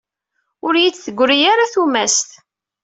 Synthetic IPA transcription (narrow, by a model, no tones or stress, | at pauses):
ʊɾjit͡sːθəɡʷːɾijaɾaθumæst̪